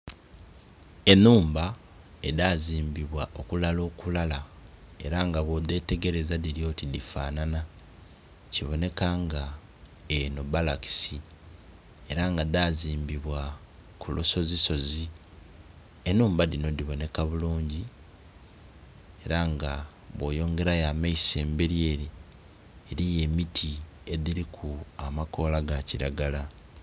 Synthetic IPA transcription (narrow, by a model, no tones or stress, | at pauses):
e̞nuːmba | e̞daziːmbiβwaʔo̞kulalo̞ːkulalae̞̰ɾaŋɡaβwod̪e̞ːte̞ɡe̞ɾe̞zadiɾjo̞tidifaːnana | ciβo̞ne̞kaŋɡa | eno̞balaki̥si | e̞ɾaŋɡad̪aːziːmbiβwa | kuloso̞ziso̞zi | enuːmbadino̞diβo̞ne̞kaβuluːɲɟi | e̞ɾaŋɡa | βwo̞ːjo̞ːŋɡe̞ɾajamaise̞ːmbeɾjeːɾi | eɾije̞mitʰi | e̞ðiɾikʰuamako̞ːlaɡaciɾaɡala